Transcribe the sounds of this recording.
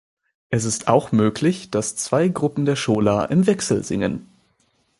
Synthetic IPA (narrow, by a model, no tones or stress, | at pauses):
ʔɛs̬ɪsta̰ʊxmøːklɪçd̥ast͡sv̥aɪɡʁʊpm̩deːɐʃoːlaːʔɪmvɛksl̩zɪ̰ŋə̰n